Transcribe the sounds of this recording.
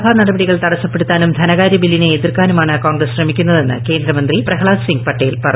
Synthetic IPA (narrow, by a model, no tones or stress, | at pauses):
bʱaːnɐɽɐbɐɽiɣɐɭt̪ɐɽɐsːɐpːe̞ɽut̪ːaːnumd̪ʱɐnɐɣaːɾjɐbilːineːðirkaːnumaːɳɨkoːɳɡrɐsɕrɐmikʲːunːɐðe̞nːɨ̰ke̞ːnd̪ɾɐmɐnd̪riprɐɦɐɭaːsiŋɡpɐʈːɐjilpɐrɐ